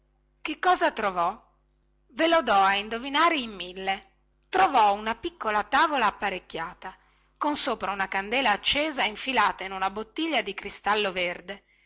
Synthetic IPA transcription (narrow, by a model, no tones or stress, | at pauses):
kekːɔːzat̪ɾovɔ | velod̪ɔaind̪ovinaːɾeimːilːe | t̪ɾovɔunapikːolat̪aːvolaːpːaɾekːjaːt̪a | konsoːpɾaunakand̪ɛːlaːt͡ʃːeːzaiɱfilaːt̪ainunabot̪ːiʎːad̪ikɾist̪alːoverd̪e